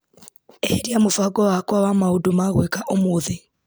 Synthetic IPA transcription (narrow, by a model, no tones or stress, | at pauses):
eheɾjamofaɡɔwakwawamaudumaɣwekaʔomoːðe